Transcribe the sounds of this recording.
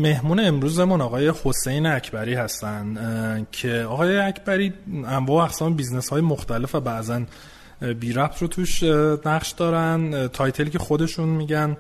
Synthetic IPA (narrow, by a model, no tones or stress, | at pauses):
me̞hmuːneːmɾuːzemunɒɣɒːje̞hose̞jneæcʰbæɾiːhæst̪æncʰe̞ɒɣɒːjeæcʰbæɾiːæmvɒːoæxsɒːmbizne̞shɒːjemoxt̪æle̞fæbæʔzæn | biːɾæp̚t̪ʰrot̪ʰuːʃnæχʃd̪ɒːɾænt̪ʰɒːjt̪ʰe̞liːcʲʰe̞xo̞d̪e̞ʃunmiːɟæn